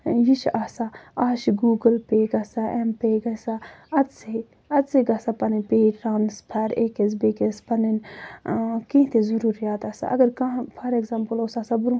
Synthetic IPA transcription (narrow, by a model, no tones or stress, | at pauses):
jiʃaːsaaːʃiɡuːɡəlpeːɡɐsaʔɛmpeːɡɐsaɐt̪se | ɐt̪seɡɐsapɐnipeːʈɾaːnspʰɐɾekes̬beːkespɐnin | kĩɦt̪ezɐɾuːɾijaːt̪aːsa̰ʔɐ̰ɡɐɾkãpʰɐɾeɡzaːmpəlosaːsabɾũ